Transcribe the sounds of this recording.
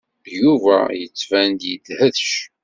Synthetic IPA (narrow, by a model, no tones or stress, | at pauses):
juvæ̰jət͡sːvænd̪jəd̪həðʃ